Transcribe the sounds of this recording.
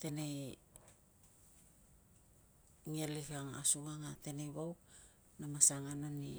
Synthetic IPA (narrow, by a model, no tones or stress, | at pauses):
te̞nej | ŋielikaŋa̰suŋaŋate̞nejβaw | namasaŋanani